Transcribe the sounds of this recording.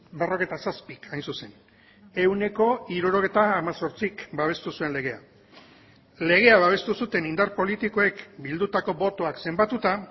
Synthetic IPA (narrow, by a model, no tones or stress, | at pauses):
bero̞ɣe̞t̪asaspikʰajnsuse̞n | e̞wne̞ko̞iɾuɾo̞ɣ̞ejt̪aːmaso̞ɾt͡sikbaβ̞e̞st̪usue̞nle̞ɣ̞e̞a̰ | le̞ɣ̞e̞aβaβ̞e̞st̪usut̪e̞nind̪aɾpo̞lit̪iko̞e̞kbild̪ut̪ako̞bo̞t̪o̞akse̞mbat̪ut̪a